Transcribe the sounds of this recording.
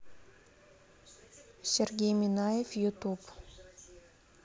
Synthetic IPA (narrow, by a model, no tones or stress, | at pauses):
serɡʲejminajefjut̪up